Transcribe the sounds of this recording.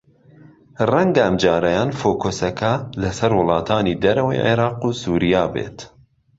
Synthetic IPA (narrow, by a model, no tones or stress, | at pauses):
rɛŋɡɐɐmd͡ʒɑːɾɐjɑːnfoːkʰosɐkʰɐlɐsɐɾwʊlˠɑːt̪ʰɑːniːd̪ɐɾɐwḛʕḛɾɑːqusuːɾijɑːbḛːt̪